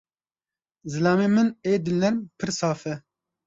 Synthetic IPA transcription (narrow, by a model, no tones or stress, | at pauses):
zɨlaːmeːmɨneːd̪ɨlnɛɾmpʰɨɾsaːfɛ